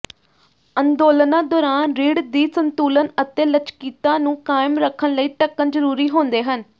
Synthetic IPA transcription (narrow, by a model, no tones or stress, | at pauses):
ənd̪oːlnãːd̪ɔːɾaːnɾiːɽd̪iːsənt̪uːlənət̪eːlət͡ʃkiːt̪ãːnũːkaːɪmɾəkʰːənləiːʈəkːənd͡ʒəɾuːɾiːɦoːnd̪eːɦən